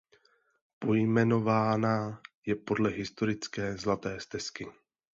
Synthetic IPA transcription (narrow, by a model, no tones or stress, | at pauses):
po̞jmɛno̞vaːnaːjɛpo̞dlɛɦɪst̪o̞ɾɪt͡skɛːzlat̪ɛːst̪ɛskɪ